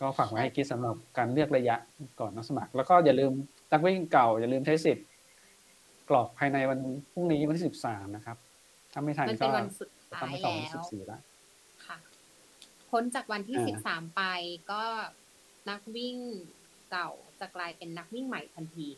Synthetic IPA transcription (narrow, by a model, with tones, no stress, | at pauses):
kɔː˥˩faː˨˩k̚maː˧ha˥˩kʰi˦˥t̪̚sa˩˦mɾa˨˩p̚kaː˧nlɯ˥˩ək̚ɾa˧ja˦˥ʔkɔː˨˩nːɔ˦˥sa˧ma˨˩k̚lɛː˦˥wkɔː˥˩jaː˨˩lɯː˧m | na˦˥k̬̚wi˥˩ŋka˨˩wja˨˩lɯː˧mt͡ɕ̪ʰa˦˥si˨˩t̪̚ | klɔː˨˩k̚pʰaː˧jna˧jwa˧npʰu˥˩ŋniː˦˥wa˧t̪ʰiː˥˩˨si˨˩p̚saː˩˦mna˦˥kʰa˦˥p̚ | t̪ʰa˧˩ma˥˩jt̪ʰa˧kɔː˥˩˧a˧nsu˨˩t̪̚ʰaːa˧m˥˧˥jlsɔː˨ɛː˦˧˦sip̚siː˨˩la̰˦˥ʔ | kʰa˥˩ | kʰo˦˥nt͡ɕaː˨˩k̚wa˧nt̪ʰiː˥˧si˨˩saː˩˦mpa˧jkɔː˥˩ | na˦˥k̚wi˥˩ŋ | ka˨˩wt͡ɕa˨˩klaː˧jpe˧nːa˦˥k̚wi˥˩ŋma˨˩˦jt̪ʰa˧nt̪ʰiː˧